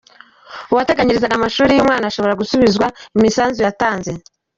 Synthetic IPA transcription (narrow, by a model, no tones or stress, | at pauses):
uwate̞ɡaɲiɾizaɡamaʃuːɾijuːmŋaːnaaʃo̞βo̞ɾaɡusuβizwaimisaːnzujataːnze̞